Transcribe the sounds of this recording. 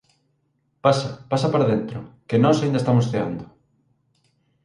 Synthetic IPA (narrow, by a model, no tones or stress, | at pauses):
pasapasapaɾaðent̪ɾʊkenɔsaind̪ɐest̪amosθea̰nd̪ʊ